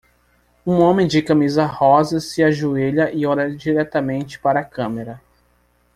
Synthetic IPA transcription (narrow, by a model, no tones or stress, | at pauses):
ũõmẽj̃d͡ʒɪkɐmizɐhɔzɐsɪaʒueʎɐʔɪɔɾɐd͡ʒiɾɛt̪ɐmẽnt͡ʃɪ̥paɾɐːkɐ̃meɾɐ